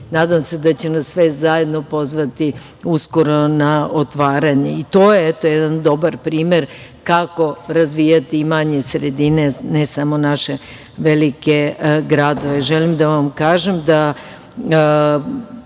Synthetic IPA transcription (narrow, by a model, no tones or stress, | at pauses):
naːd̪amse̞d̪at͡ɕenasːʋezaje̞d̪no̞po̞zʋat̪i | usko̞ɾo̞naot̪ʋaːɾaɲeit̪o̞ːjeet̪ojed̪and̪o̞baɾpɾiːme̞ɾ | kako̞ɾazʋijat̪imaɲe̞sɾed̪ine̞nesamo̞naʃe̞ | ʋelike̞ɡɾad̪o̞ʋeʒelimd̪aʋamkaːʒemd̪a